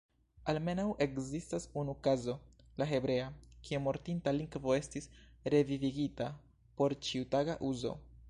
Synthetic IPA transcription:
alme̞nawʔe̞kzistasunukazo̞ | laɦe̞bɾe̞akiemo̞ɾtintaliŋɡvo̞e̞stisɾe̞viviɡita | po̞ɾt͡ʃiutaɡaʔuzo̞̰

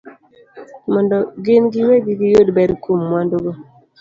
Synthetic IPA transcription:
mɔndɔɡenɡɪweɡiɡijodbɛdkumːwandoɡo

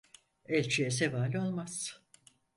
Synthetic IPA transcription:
ɛlʲt͡ʃʰijes̬evaːlʲo̞lˠmaz̥

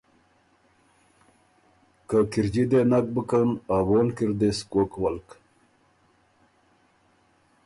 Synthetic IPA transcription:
kakiɾd͡ʑid̪enak̚bəkənawoːnkiɾd̪eskokwalk

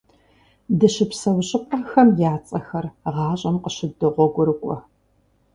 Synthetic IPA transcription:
dɨɕɪpsɐwɕʼɪpʼaxɐmjaːt͡sʼɐxɐrʁɑːɕʼɐmqəɕɪdɨʁʷɔɡʷʊɾɨkʷʼɔ

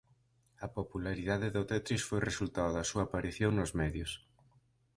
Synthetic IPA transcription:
ɐpopulaɾiðaðeðʊt̪ɛt̪ɾiʃfojresult̪aoðɐsuaːpaɾiθjoŋnʊzmɛðjʊs

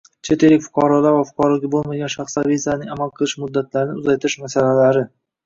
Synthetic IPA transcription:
t͡ʃʰet̪elɪkʲfʊ̥qʰɑɾɒlaɾvafʊ̥qɒɾɒɡʲabolˠmaɡʲanʃaχslaizianɪŋamalˠqʰɨlˠɪʃmʊd̪ːat̪ʰlaɾɪnɪʊzajt̪ʰɪɾɪʃmasalalaɾɪ

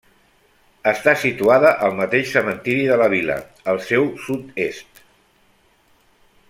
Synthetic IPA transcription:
əst̪asit̪uaðəʔəlˠmət̪eʃsəmənt̪iɾiðələβ̞ilə̰ | əlˠsɛwsut̪est̪

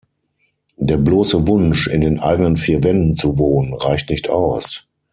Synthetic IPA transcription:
d̥eːɐbloːsəvʊnʃɪ̰ndeːnʔa̰ɪɡənənfiːɐvɛndn̩t͡suvoːnənʁaɪçtnɪçtʰʔa̰ʊs

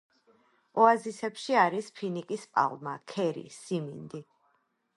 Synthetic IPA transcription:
ɔazisɛpʃiaɾispʰinikʼispʼa̰lˠmakʰɛɾḭsimind̪i

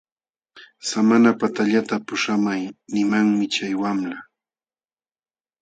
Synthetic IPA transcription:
samanapat̪aʎat̪apʊʂamajnɪmaŋmɪt͡ʃajwamla

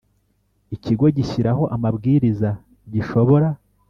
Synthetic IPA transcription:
iciɡo̞ɟiçiɾaɦo̞ʔamabɡiːɾiza | ɟiʃo̞βo̞ɾa

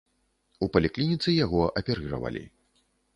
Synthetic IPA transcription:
upɐlʲiklʲinʲit̪sɨjaɣɔʔɐpʲɛɾɨɾɐ̰vɐ̰lʲḭ

